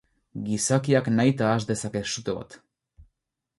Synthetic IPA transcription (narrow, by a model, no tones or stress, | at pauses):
ɡisakiaknajt̪aːʒd̪esakesʃut̪oβa̰t̪